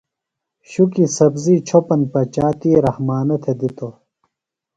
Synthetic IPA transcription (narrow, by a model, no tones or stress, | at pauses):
ɕukisɐbziːt͡ɕʰopɐnpɐt͡ɕaːt̪iːɾɐhmaːnɐt̪ʰed̪it̪o